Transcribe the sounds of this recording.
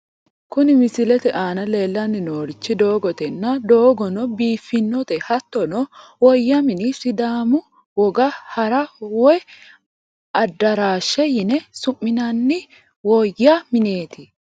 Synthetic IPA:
kʊnɪmɪsɪlɛt̪ɛʔaːnɐle̞ːlːɐnːɪnoːɾɪt͡ʃːɪd̪oːɡɔt̪ɛnːɐd̪o̞ːɡɔnɔbiːfːɪnːɔt̪ɛhɐt̪ːɔnɔwɔjːɐmɪnɪsɪd̪aːmʊ | wɔɡɐhɐɾɐwɔj | ʔɐd̪ːɐɾaːʃːɛjɪnɛsʊmːɪnɐnːɪ | wɔjːamɪne̞ːt̪ɪ

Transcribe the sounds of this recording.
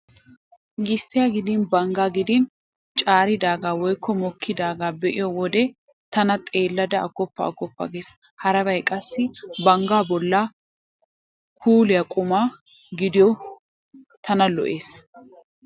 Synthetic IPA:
ɡɪst̪ɪjaɡɪd̪ɪnbɐŋɡaːɡɪd̪ɪn | t͡ʃʼaːɾɪd̪aːɡaːwɔjkːɔmɔkʰːɪd̪aːɡaːbɛʔɪjɔwɔd̪ɛ | t̪ɐnɐt̪ʼe̞ːlːɐd̪ɐɐɡɔpːɐ̰ɐ̰ɡɔpːɐ̰ɡeːs | hɐɾɐbɐjkʼɐsːɪbɐŋɡaːbɔlːa | kʰuːlɪjɐkʼʊmaː | ɡɪd̪ɪjɔ | t̪ʰɐnɐlɔ̰ʔe̞ːs

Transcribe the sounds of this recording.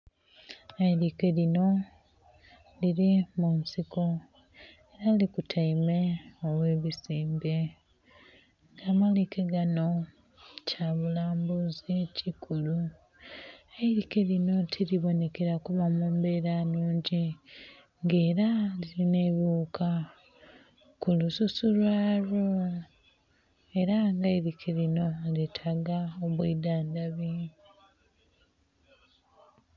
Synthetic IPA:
aiɾikelino̞ | liɾimunsiko | eɾalikutʰaimeoβwe̞ːβisiːmbe̞ | ŋɡaːmalikeɡano̞ | caβulaːmbuzicikʰulu | aiɾike̞lino̞tʰiɾiβo̞ne̞ke̞ɾakuβamuːmbe̞ɾanuːɲɟi | ŋɡe̞ːɾaliɾine̞βjuːkʰa | kulususulwaːɾo | e̞ɾaŋɡaiɾikʰelino̞litʰaɡaoβwiːdaːndaβi

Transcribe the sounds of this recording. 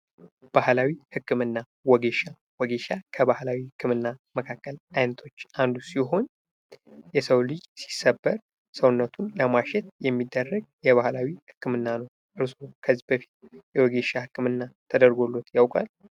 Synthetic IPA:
b̥ahlawihɨkːɨmɨnːa | wɔɡe̞ʃa | wɔɡe̞ʃakʰəbahlawihɨkʰːɨmɨnːaməkʰakːəlajnət̪ʰo̞t͡ʃːʔand̪usiɦo̞n | jɛsəwlɨd͡ʒsi̥səbːəɾ | səwnːət̪ʰunləmaʃɛt̪̚jɛmːid̪ːərːəɡ̚jɛβahlawihɨkːɨmɨnːanəw | ʔɨɾsokʰəzːihbəfi̥t̪jɛwɔɡe̞ʃahɨkʰːɨmɨnːat̪ʰəd̪əɾɡo̞lːo̞t̪jawkʼa̰l

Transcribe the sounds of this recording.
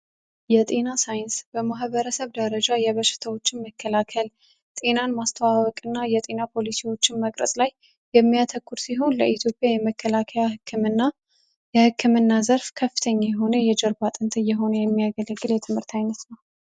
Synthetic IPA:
jɛt̪ʼenasajɪnsbəmaɦβəɾəsəβd̪əɾəd͡ʒajɛβəʃːɪ̥t̪ʰəwo̞t͡ʃːɪnməkʰːəlakʰəl | t̪ʼe̞nanmast̪ʰəwawɔkʼɨnːajɛt̪ʼe̞napʰo̞lisiwo̞t͡ʃːɪnməkʼɾə̰sʼlaj | jɛmːijat̪ʰəkːuɾsiɦo̞nləʔit̪ʰjo̞pʼjajɛməkːəlakʰəjaɨkʰːmɨnːa | jɛhɨkːɨmɨnːazəɾfkʰəfːɨ̥t̪ʰəɲːajɛɦo̞nəjɛd͡ʒɛɾbat̪ʼɨnt̪ʰɨjɛɦo̞nəjɛmːijaɡələɡɨljɛt̪ʰɨmhɨɾt̪ʰajnət̪nəw

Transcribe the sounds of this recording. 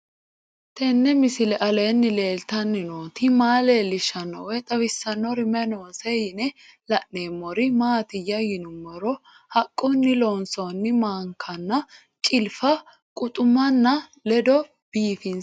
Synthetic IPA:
t̪ɛnːɛmɪsɪlɛʔɐleːnːɪle̞ːlt̪ɐnːɪnoːt̪ɪmaːleːlːɪʃɐnːɔ̰wɛt̪ʼɐwɪsːɐnːɔɾɪmɛnoːsɛjɪnɛlɐʔne̞ːmːɔɾɪmaːt̪ɪjːɐjɪnʊmːɔɾɔ | hɐkʼːʊnːɪloːnsonːɪmaːŋkʰɐnːɐ | kʼɪlfɐ | kʼʊt̪ʼʊmːɐnːɐlɛd̪ɔ | b̥iːfɪn

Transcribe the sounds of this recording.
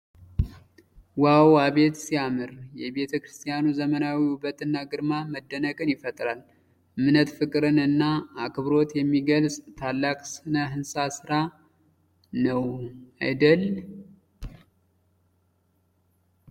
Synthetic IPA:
wawaβe̞t̪siamɨɾjɛβe̞t̪ʰəkɾɨst̪ʰijanuzəmənawihubət̪ʼɨnːaɡɨɾmaməd̪ːənəkʼɨnjɪfət̪ʼɾal | ɨmɨnət̪fɨkʼɨɾɨnɨnːaːkʰɨβɾo̞t̪jɛmːiɡəlsʼt̪ʰalːakʼsɨnəɦɨnsasɨɾa | nəwa̰jd̪əl

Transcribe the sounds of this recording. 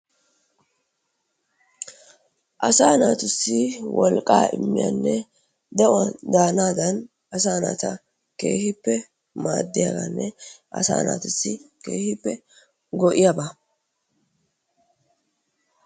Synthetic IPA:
ʔɐsaːnaːt̪ʊsːɪwɔlkʼːaːʔɪmːɪja̰nːɛ | d̪ɛwɐd̪aːnaːd̪ɐn | ɐsaːna̰t̪ɐ | ke̞̰ːhɪpːɛ | maːd̪ːɪjaɡanːɛʔɐ̰sa̰ːna̰ːt̪ʊsːɪkeːhɪpːɛ | ɡɔʔɪjabɐ

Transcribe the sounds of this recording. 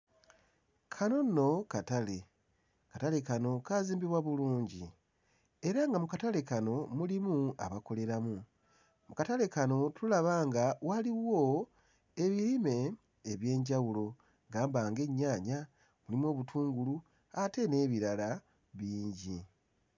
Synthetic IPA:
kʰano̞nːo̞katale | katale̞kano̞kaːziːmbiβwaβuluːɲɟḭ | e̞ɾaŋɡamukatale̞kano̞mulimua̰βako̞le̞ɾamu | mukatale̞kano̞tʰulaβaːŋɡawaliwo̞ | e̞βiɾime̞ː | βje̞ːɲɟawulo̞ | ɡaːmbaːŋɡe̞ɲːaːɲa | mulimwo̞ːβutʰuːŋɡulu | ate̞ne̞ːβiɾala | βiːɲɟi

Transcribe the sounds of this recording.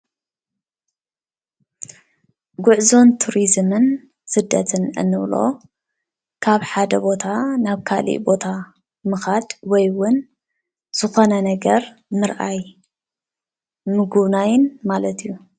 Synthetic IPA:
ɡuʕzo̞nt̪ʰuɾizmɨn | sɨd̪ːɐt̪ʰɨnɨ̰nːɨβlo̞̰ | kʰaβħad̪ɐbo̞t̪ʰanaβkʰalḭʔbo̞t̪ʰa | mɨxad̪wɔjwʊn | z̥ɨxo̞nɐnɐɡɐɾ | mɨɾʔa̰j | mɨɡuβnajnmalɐt̪ʰijːu

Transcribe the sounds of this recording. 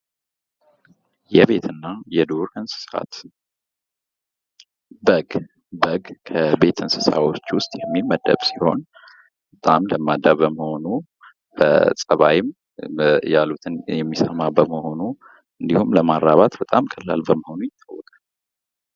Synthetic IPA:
jɛβe̞t̪ʰɨnːajɛd̪uɾɨnsɨ̥sa̰t̪ | bəɡ | bəɡkʰəbe̞t̪ʰɨnsɨsa̰wot͡ʃːwʊst̪ʼjɛmːiməd̪ə̰βsiho̞̰n | bət̪ʼamləmːad̪aβəməhonu | bə̰sʼəβajɪm | jalut̪ʰɨnjɛmːisəmabəməho̞nu | ɨnd̪ihumləmaɾɾaβat̪bət̪ʼamkʰəlːa̰lbəməho̞nujɪt̪ʼːawːɔkʼal

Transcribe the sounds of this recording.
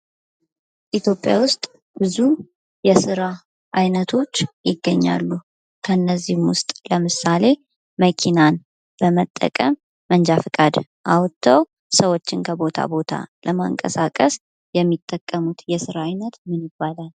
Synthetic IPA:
ʔit̪ʰjo̞pʼːja̰wʊst̪ʼ | b̥ɨzu | jɛsɨɾa | ʔajnət̪ʰo̞t͡ʃːjɪɡːəɲːa̰lːu | kʰənːəzːihmwʊst̪ʼləmɨsale̞ | məkʰinan | b̥əmət̪ʼːə̰kʼəmː | ənd͡ʒafɨkʼad̪ | ʔawt̪ʰːəw | səwo̞t͡ʃːɪnkʰəbo̞t̪ʰa̰bo̞t̪ʰa̰lʔəmaŋkʼə̰sakʼəs | jɛmːit̪ʼːəkʼːəmut̪jɛsɨɾaːjnət̪mɨnjɪbːalal

